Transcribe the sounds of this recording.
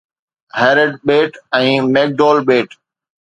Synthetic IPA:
hɛːɾəɖɓeːʈɛ̃ːmeːk̚ɖoːlɓeːʈ

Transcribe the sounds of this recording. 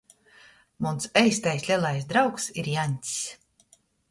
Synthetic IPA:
munsɛjst̪ajsʲlʲɛlˠajsd̪ɾawksiɾjanʲt̪ʲs

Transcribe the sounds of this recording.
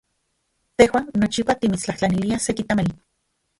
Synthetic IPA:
t̪ehwaːnːot͡ʃipat̪imit͡st͡ɬaht͡ɬaniliasekit̪amali

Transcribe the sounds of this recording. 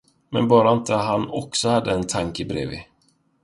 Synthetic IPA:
mɛ̰nbɑːɾaɪnt̪əɦanɔksɔhad̪ːəɛnt̪ʰaŋkəbɾḛːvɪ̰

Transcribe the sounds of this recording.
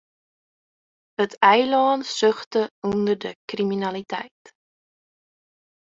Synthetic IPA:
ətʰɛjlɑːnsɵχtəɔndərdəkriminɐlitɛjt

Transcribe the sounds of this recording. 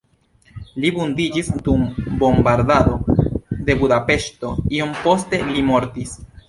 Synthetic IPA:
libundid͡ʒisdumbo̞mbaɾdado̞de̞budape̞ʃto̞̰io̞mpo̞ste̞limo̞ɾtis

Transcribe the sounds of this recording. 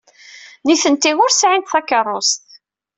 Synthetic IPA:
niθənt̪ːiʁʊɾsʕint̪θækːərˤːost̪

